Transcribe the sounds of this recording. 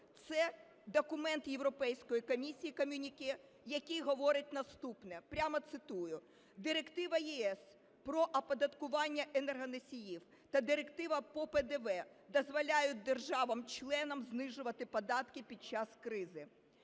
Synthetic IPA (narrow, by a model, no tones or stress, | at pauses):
t̪sɛ | d̪ɔkʊmɛnt̪jewɾɔpɛjsʲkɔjikɔmʲisʲijikɔmʲunʲikʲɪ | jɐkʲijɦɔʋɔɾɪtʲnɐst̪upnɛpɾʲamɐt̪sɪt̪ujʊ | d̪ɪɾekt̪ɪʋɐjiɛs | pɾɔʔɐpɐd̪ɐt̪kʊʋɑnʲːɐʔenɛrɦɐnɐsʲijiw | t̪ɐd̪ɪɾekt̪ɪʋɐpɔpɛd̪ɛʋɛ | d̪ɔzʋɔlʲajʊt̚ʲd̪erʒɑʋɐmt͡ʃlˠɛnɐmznɪʒʊʋɐt̪ɪpɔd̪ɑt̪kɪpʲit͡ʃɑskɾɪzɪ